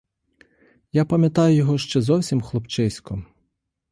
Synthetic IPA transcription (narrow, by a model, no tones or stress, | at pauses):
japɐmʲjɐt̪ɑjʊjɔɦɔʃt͡ʃɛzɔwsʲimxlˠɔpt͡ʃɪsʲkɔ